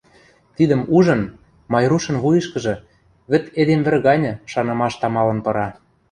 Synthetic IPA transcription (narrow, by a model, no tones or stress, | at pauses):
t̪id̪ə̆muʒɤ̆n | mɑjɾuʃɤ̆nβujɤ̆ʃkɤ̆ʒɤ̆ | βɘ̆t̪ed̪emβɘ̆rɣɑnʲɤ̆ʃɑnɤ̆mɑʃt̪ɑmɑlɤ̆npɤ̆ɾɑ